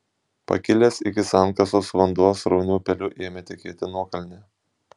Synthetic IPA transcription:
pɐ̰kʲɪlʲeːsɪkʲɪsɑˑŋkɐsoːsʋɐnd̪uɔsɾɒʊnʲuːpʲɛlʲʊʔeːmʲɛt̪ʲɛkʲeːt̪ʲɪnuɔkɐlʲnʲɛ

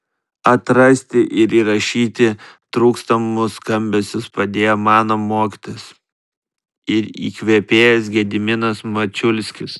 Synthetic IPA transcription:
ɐt̪ɾɐsʲt̪ʲɪʔɪɾiːɾɐʃʲiːt̪ʲɪt̪ɾuːkst̪ɐmʊskɐmʲbʲɛsʲʊspɐd̪ʲeːjoːmɑːnomoːkʲi̥t̪oːjʊs | ɪɾḭːkʋʲɛpʲeːjɛsɡʲɛd̪ʲɪmʲɪnɐsmɐt͡ʃʲʊlʲsʲkʲɪs

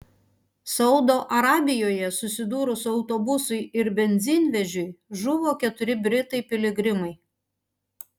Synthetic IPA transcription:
sɐʊd̪oːʔɐɾɑːbʲɪjoːjɛsʊsʲɪd̪uːɾʊsʊɐʊt̪oːbʊsʊɪɪɾbʲɛnʲzʲɪnʲʋʲɛʒʲʊɪʒʊʋoːkʲɛt̪ʊɾʲɪbʲɾʲɪt̪ɐɪpʲɪlʲɪɡɾʲɪmɐɪ

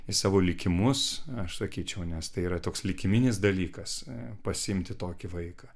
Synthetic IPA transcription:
ɪsɑːʋoːlʲɪkʲɪmʊsɐʃsɐkʲiːt͡ʃʲɛʊnʲɛst̪ɐɪiːɾɐt̪oːkslʲɪkʲɪmʲɪnʲɪs̬d̪ɐlʲiːkɐspɐsʲɪɪmʲt̪ʲɪt̪oːkʲɪʋɐɪkɑː

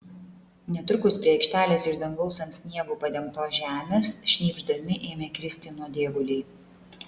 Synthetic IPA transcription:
nʲɛt̪ʊɾʲkʊspʲɾʲiɛɛɪkʃʲt̪ʲæːlʲeːsɪʒd̪ɐŋɡʋɔʊsɐnt̪sʲnʲiɛɡuːpɐd̪ʲɛmkt̪oːʒʲæːmʲeːsʃʲnʲiːbʲʒd̪ɐmʲɪʔeːmʲeːkɾʲɪsʲt̪ʲɪnuɔd̪ʲeːɡʊlʲɛɪ

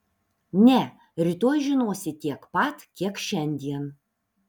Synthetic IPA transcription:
nʲɛ | ɾʲɪt̪oːjʒʲɪnoːsʲɪt̪ʲiɛkpɐt̪kʲiɛkʃʲɛnʲd̪ʲiɛn

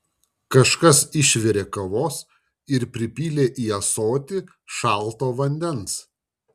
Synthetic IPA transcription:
kɐʃkɐsɪʃʲʋʲɛɾʲeːkɐʋoːs | ɪɾpʲɾʲɪpʲiːlʲeːʔiːɐsoːt̪ʲɪ | ʃɑˑlˠˑt̪oːʋɐnʲd̪ʲɛns

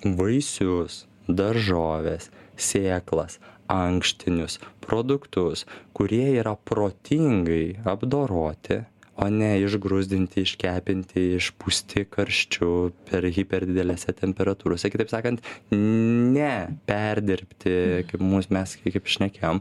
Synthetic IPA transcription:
ʋɐɪsʲʊs | d̪ɐɾʒoːʋʲeːssʲeːklˠɐsɐŋkʃʲt̪ʲɪnʲʊspɾoːd̪ʊkt̪ʊskʊɾʲiɛiːɾɐpɾoːt̪ʲʰiːŋɡɐɪɐbd̪oːɾoːt̪ʲɪoːnʲɛɪʒɡɾʊzʲd̪ʲɪnʲt̪ʲɪɪʃʲkʲæːpʲɪnʲt̪ʲɪɪʃpusʲt̪ʲɪkɐɾʲʃʲt͡ʃʲʊpʲɛɾɣʲipʲɛɾd̪ʲɪd̪ʲɛlʲɛːsʲɛt̪ʲɛmʲpʲɛɾɐt̪uːɾoːsʲɛkʲɪt̪ɐɪpsɑːkɐnt̪ | nʲɛpʲɛɾʲd̪ʲɪɾʲpʲt̪ʲɪkɐɪpmuːsmʲɛskkɐɪpʃʲnʲɛkʲeːjoːm

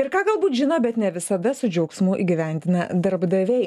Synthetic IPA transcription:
ɪɾkɑːɡɐlˠbuːt̪ʒʲɪnoːbʲɛt̪nʲɛʋʲɪsɐd̪ɐsʊd͡ʒʲɛʊksmʊʔiːɡʲɪʋʲɛnʲd̪ʲɪnɐd̪ɐɾbd̪ɐʋʲɛɪ

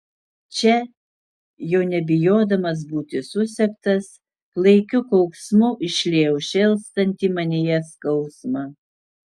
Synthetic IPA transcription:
t͡ʃʲɛ | jɛʊnʲɛbʲɪjoːd̪ɐmɐs̬buːt̪ʲɪsʊsʲɛkt̪ɐs | plˠɐɪkʲʊkɔʊksmʊʔɪʃʲlʲeːjʊʃʲɪlˠst̪ɐnʲt̪ʲiːmɐnʲejɛskɐʊsmɑː

